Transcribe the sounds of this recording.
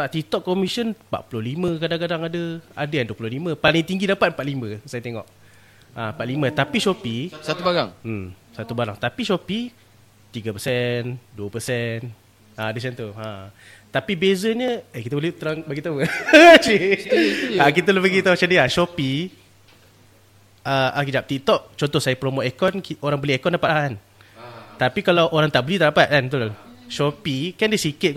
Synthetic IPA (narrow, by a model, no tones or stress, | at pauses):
aʔt̪it̪ɔʔ̚kːɔmisənpa̰ʔpulʊlimə̃kadaŋkadaŋadəa̰dəjanduəpulʊlimə̃palɪŋt̪iŋɡidapat̪mpat̪̚limə̃sajaət̪eŋɔ̰ʔ | ampat̪limət̪apiʃɔpisat̪ubaɾa̰ŋ̩msat̪ubaɾaŋt̪apiʃɔpi | t̪iɡapəsɛnduəpəsɛn | aadəsɛnt̪ua | t̪apibezəɲəekit̪əbolɛt̪əɾaŋbaɡit̪awəsi | akit̪əlbaɡit̪amat͡ʃamdiaʃɔpi | əʔakid͡ʒap̚t̪it̪ɔʔ̚t͡ʃɔnt̪ɔhsajəpɾomoekɔnkoɾaŋbəliekɔndapat̪aan | t̪apikalawʔoɾaŋt̪aʔbəlit̪adapat̪̚ant̪ulʃɔpikɛndisikɪt̪̚k